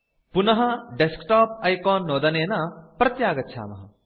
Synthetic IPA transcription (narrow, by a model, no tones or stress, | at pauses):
punɐɦʌɖeskʈaːp̚ɐjkɔːnːoːd̪ɐneːnɐprɐt̪jaːɡɐt̪̚t͡ʃʰa̰mɐɦɐ̰